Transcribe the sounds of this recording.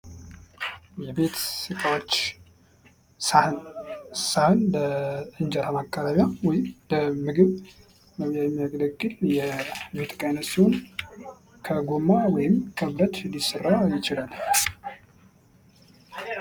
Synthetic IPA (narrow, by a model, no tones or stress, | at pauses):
jɛbe̞t̪sɨk̪ʼawot͡ʃː | sahɨnləɨnd͡ʒəɾamakʼːaβaβjawɔjɪmləmɨɡɨβ | məβjajɛmːijaɡləɡʼːɨljɛbe̞t̪kʼajnət̪sihon | kʰəɡomːawɔjɪmkʰəβɾət̪nd̪isɨrːajɪt͡ʃɪlal